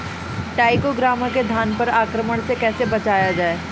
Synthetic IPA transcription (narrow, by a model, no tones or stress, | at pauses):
ʈaːɪkoɡɾaːmãked̪ʱjaːnpɐɾaːkɾəməɽ̃sekɛːsebɐt͡ʃaːjad͡ʒaːeː